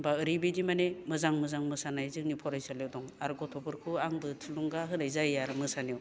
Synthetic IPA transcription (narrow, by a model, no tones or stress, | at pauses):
baɯɾibedimanemɯzaŋmɯzaŋmɯsanajzɯŋnipʰɔɾajsaljewdɔŋaɾɡɔtʰɔbɯɾkʰuaŋbɯtʰɯluŋɡaɦɯɾajzajjaɾmɯsanijiw